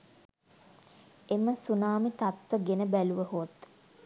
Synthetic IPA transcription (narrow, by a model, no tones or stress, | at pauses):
eməsunaːmit̪at̪ʋəɡenəbæluʋəhot̪